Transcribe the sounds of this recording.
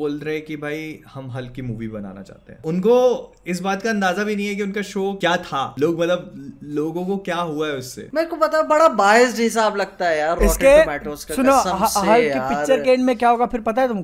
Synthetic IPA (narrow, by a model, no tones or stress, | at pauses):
boːlɾɐɦɛ̃kibʱaːihɐmɦɐlkimuːʋibɐna̰ːna̰t͡ʃa̰ːɦt̪ḛɦɛ̰̃ːʊnko | ɪs̬baːt̪kaɐ̃nd̪aːzabʱinɐɦĩɦɛk̬iʊnkaʃoːkjaːt̪ʰaloːɡmɐt̪ləb̚loːɡõkokjaːɦuaɦɛʊsːḛːmɛ̃kopɐt̪ãːbɐɽabaːɪsd͡ʒɦɪsaːblɐɡ̚t̪aɦɛjaːɾɪɔːʈkemɛːʈõːsksʊnosɐɦɐsɦɐljiaːɪkt͡ʃːəɾkẽːɳɖmẽkjaːɦoːɡafʰɪɾpɐt̪aɦɛt̪ʊm